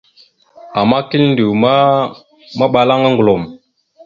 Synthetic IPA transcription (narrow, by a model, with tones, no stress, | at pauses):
a˨ma˦ki˦ln˦di˨wma˦ | ma˦ɓa˨la˦ŋa˦ŋɡlo˨m